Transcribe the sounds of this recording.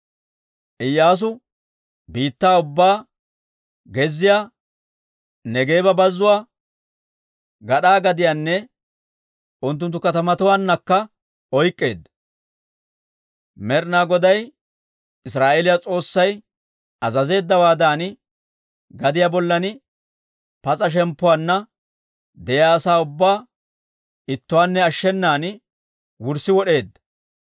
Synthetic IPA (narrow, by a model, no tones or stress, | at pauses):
ʔɪjːaːs̬ʊ | biːt̪ːaːʊbːaː | ɡɛzːɪjaː | nɛɡe̞ːbɐbɐzːʊwaː | ɡɐɗaːɡɐd̪ɪjanːɛ | ʔʊnt̪̬ːʊnt̪̬ːʊkɐt̪ɐmɐt̪ʊwaːnːɐkːɐ | ɔjkʼːeːd̪ːɐ | mɛɾnaːɡɔd̪ɐj | ɪsɾaːʔelɪjat͡sʼo̞ːsːɐj | ɐzɐze̞ːd̪ːɐwaːd̪aːn | ɡɐd̪ɪjabɔlːɐn | pɐt͡sʼɐʃ̬ɛmpːʊwaːnːɐ | d̪ɛjaːsaːʊbːaː | ɪt̪ːʊwaːnːɛɐʃːɛnːaːn | wʊɾsɪwɔɗe̞ːd̪ːɐ̥